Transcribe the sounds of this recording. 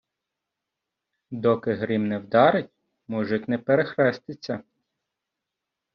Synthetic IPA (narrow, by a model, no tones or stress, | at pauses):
d̪ɔkɪɦɾimnɛwd̪ɑɾɪtʲ | muʒɪt̪ʲnɛpeɾexɾɛst̪ɪt͡sʲːɐ